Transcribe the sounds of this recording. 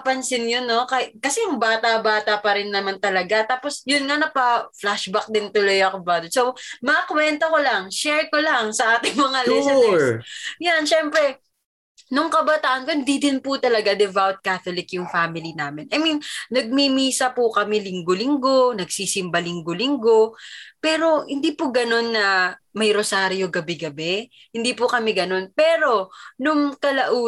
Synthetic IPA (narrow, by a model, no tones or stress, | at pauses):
ɐpɐnsɪnjonːo̞kɐkɐsɛjʊŋbaːt̪abaːt̪ɐpɐɾɪnːɐmant̪ɐlɐɡat̪aːposjʊnŋanɐpaflaʃbak̚d̪ɪnt̪ʊlojɐkobad̪sowmɐʔɐkwɛnt̪oko̞lɐŋʃɛɹkolɐŋsɐʔaːt̪ɪŋmɐŋalɛsɛnɛjanʃɛmpɾɛ | nʊŋkɐbɐt̪aːʔɐnkohɪnd̪id̪ɪnpʊt̪ɐlɐɡad̪ɛvawt̪̚kaːt̪olɪkjʊŋfaːmɪlinaːmɪnʔɐminnɐɡ̚mimiːsɐpʊkɐmɛlɪŋɡolɪŋɡo̞nɐɡsiːsɪmbɐlɪŋɡolɪŋɡo̞pɛːɾo̞hɪnd̪iːpʊɡɐno̞nːɐmɐjɾosaːɾjo̞ɡɐbɛɡɐbɛ | hɪnd̪iːpʊkɐmɛɡɐno̞npɛːɾo̞nʊŋkɐlɐʔuː